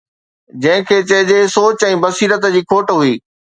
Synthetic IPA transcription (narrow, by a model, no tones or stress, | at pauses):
d͡ʑɐ̃ɦɪ̃kʰeːt͡ɕɐɦɪd͡ʑeːsoːt͡ɕɛ̃ːbɐsiːɾət̪d͡ʑiːkʰoːʈɦʊiː